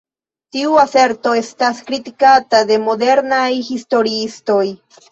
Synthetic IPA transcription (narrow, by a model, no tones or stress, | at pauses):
t̪iuase̞ɾt̪o̞est̪askɾit̪ikat̪ad̪e̞mod̪e̞ɾnajhist̪o̞ɾiist̪o̞j